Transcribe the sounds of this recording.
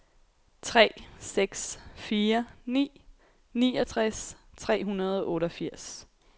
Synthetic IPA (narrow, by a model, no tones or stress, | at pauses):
t͡sʰʁɛ̰ːseɡ̥sfiːɐnḭː | niːɒt͡sʰʁɛs | t͡sʰʁɛ̰ːɦunɐð̞ˠɔ̽ːɾɒfiɐ̰s